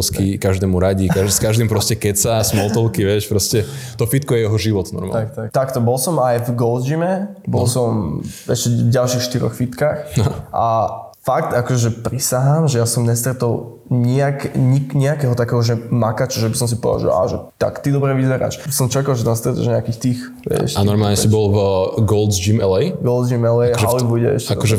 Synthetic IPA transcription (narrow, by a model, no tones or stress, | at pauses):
skikaʒd̪ɛːmuɾaɟikaskaʒd̪impɾɔscɛkɛsasmɔlt̪ɔlkiʋɛʃpɾɔscɛt̪ɔfit̪̚kɔjɛjɛɦɔʒiʋɔt̪nɔ̰ɾma̰lkt̪at̪akt̪ɔbɔlsɔmajvɡɔlzd͡ʒimɛbɔlsɔmɛʃcɛvɟalʃixʃt̪iɾɔ̰xfit̪kaːxʔa̰ | fakt̪akɔʒɛʒɛpɾisaɦamʒɛjasɔmɲɛst̪ɾɛt̪ɔʊ | ɲiakɲikɲiakɛɦɔt̪akɛːɦɔʒɛmakat͡ʃaʒɛbisɔms̬ipɔʋa̰ʒḭla̰ʒɛt̪a̰kt̪id̪ɔbɾɛʋizɛɾa̰ːʃsɔmt͡ʃakalˠʒɛt̪ɛnst̪ɾɛt̪ɔ̰ʒɲɪakixt̪iːx | ʋɛ̰ʃt̪anɔɾmaːlɲɛibɔlɡɔlzd͡ʒimɛlɛjɡɔld͡ʒimɛlɛjɦʒɛalibuɟɛ̰ɛ̰ʃaɛkɔʒɛ